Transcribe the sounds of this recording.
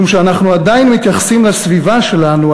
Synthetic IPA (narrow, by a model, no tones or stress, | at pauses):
umʃeanaχnuad̪ajinmit̪jaχsimlasvivaʃe̞lanu